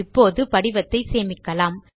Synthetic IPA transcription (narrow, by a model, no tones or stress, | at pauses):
ɪpːoːðɯpɐɽɪʋɐt̪ːɐɪseːmɪkːɐlaːm